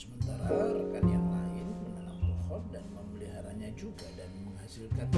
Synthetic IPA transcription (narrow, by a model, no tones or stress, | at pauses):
səmənt̪aɾaɾkanjaŋlaɪnmənanamt̪ɔhɔndanməməliɦaɾa̰ɲad͡ʒuɡadanməŋhasilkan